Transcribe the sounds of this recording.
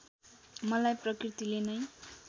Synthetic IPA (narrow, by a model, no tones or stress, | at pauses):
mʌlajprʌkrit̪ilenʌj